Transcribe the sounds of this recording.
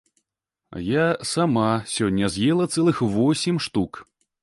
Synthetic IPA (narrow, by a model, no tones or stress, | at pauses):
jasamasʲɔnʲːɐzʲjɛlˠɐt̪sɛlˠɨxvɔsʲimʂt̪uk